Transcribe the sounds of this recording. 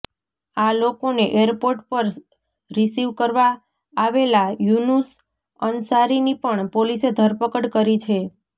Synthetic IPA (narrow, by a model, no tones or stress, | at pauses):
alokoneʔeəɾpoɾʈpəɾ | ɾisiʋkəɾʋaː | ʋelajunus | ənsaɾinipəɳpolised̪ʱəɾpəkəɽkəɾit͡ʃʰe